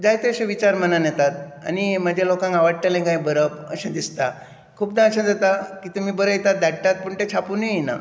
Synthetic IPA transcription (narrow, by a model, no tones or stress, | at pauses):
d͡zajt̪eəɕẽʋit͡ɕaɾmənanjet̪at̪̚a̰niməd͡ʑelokãŋɡaʋaɽ̚t̪elẽɡãjbəɾəpəɕẽd̪ist̪a | kʰuːp̚d̪ãəɕãd͡zat̪akiːt̪umiːbəɾəjt̪at̪̚d̪aɽʈ̪at̪̚puɳʈ̪et͡ɕʰapuːnəina̰